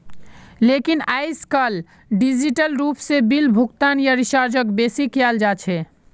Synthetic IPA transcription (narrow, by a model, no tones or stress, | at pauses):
lekinaɪskəl | ɖid͡ʒiʈəlɾupsebilbʱukt̪anjaɾiʃaɾd͡ʒəkbesikjald͡ʒat͡ʃʰɛ